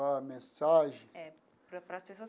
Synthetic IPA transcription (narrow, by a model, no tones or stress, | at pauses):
amẽsaʒẽɛ | pɾɐpɾɐspesoɐ